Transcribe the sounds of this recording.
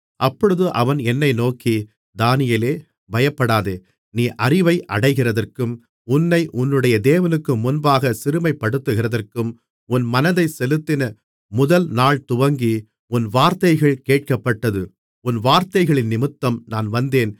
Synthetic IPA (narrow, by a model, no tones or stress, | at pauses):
ʔɐpːɔɻɯðɯʔɐʋɐnɛnːɐɪnoːki | d̪aːnɪjɐleː | bɐjɐpːɐɽaːðeː | niːʔɐrɪʋɐɪʔɐɽɐɪɣɪrɐðɐrkɯm | ʊnːɐɪʔʊnːɯɽɐjɐd̪eːʋɐnɯkːɯmʊnbaːɣɐsɪɾɯmɐɪpːɐɽɯt̪ːɯɣɪɾɐðɐrkɯm | ʊnmɐnɐðɐɪsɛlɯt̪ːɪnɐ | mʊðɐlnaːɭt̪ʊʋɐŋɡi | ʊnʋaːɾt̪ɐɪɣɐɭkeːʈ̚kɐpːɐʈːɐðɯ | ʊnʋaːɾt̪ɐɪɣɐɭɪnːɪmɯt̪ːɐmnaːnʋɐnd̪eːn